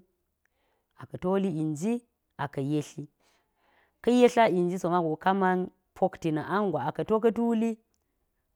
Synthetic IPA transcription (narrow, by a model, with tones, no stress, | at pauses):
a˨kɐ˨to˦li˦i˨nd͡ʒi˦ | a˨kɐ˨je˦ɬi˦ | kɐ˦je˦ɬa˦i˨nd͡ʒi˦so˨ma˦ɡo˨ka˦ma˦n | pʰo˦kti˨na˨ʔa˦ŋɡʷa˨a˨kɐ˨to˦k̬ɐ˦tu˦li˦